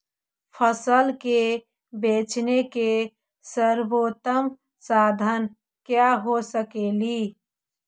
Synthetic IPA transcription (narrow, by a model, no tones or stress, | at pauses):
pʰəsəlke | beːt͡ʃneke | səɾboːt̪əm | saːd̪ʱən | kjaɦosəkeːli